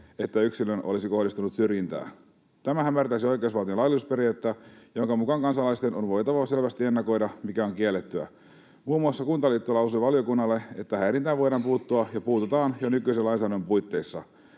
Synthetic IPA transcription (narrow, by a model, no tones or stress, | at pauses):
et̪ːæyksilønolisiko̞ɦdist̪unut̪syrjint̪æ̰ː | t̪æmæhæmːært̪æisiojkeusʋɑlt̪iolɑliusperiæt̪ːæjoŋkɑmukɑŋkɑnsɑlɑist̪enonʋo̞jt̪ɑʋɑse̞lʋæst̪ie̞nːɑko̞idɑmikæo̞ŋkielːet̪ːyæ̰ | muːmːuɑsːɑkunt̪ɑlit̪ːulɑusuʋɑljo̞kunːɑlːe̞et̪ːæhæiɾint̪æːʋo̞jɾɑmpuːt̪ːuɑjɑpuːt̪ut̪ɑːnjonykyiselɑinsæːdompujt̪ːe̞isːɑ